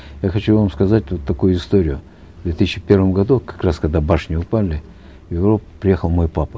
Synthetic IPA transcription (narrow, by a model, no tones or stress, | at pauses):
jaxɐt͡ɕuvamskɐzat̚ʲvot̪ːɐkujʊɪst̪o̞ɾʲɪjʊ | vd̪vʲet̪ɨsʲɕːɪpʲe̞rvəmɡɐd̪ukɐ̥kraskɐɡd̪abaʂnʲɪʊpalʲɪ | jɪvɾo̞pəpɾʲɪje̞xəlˠmo̞jpapə̥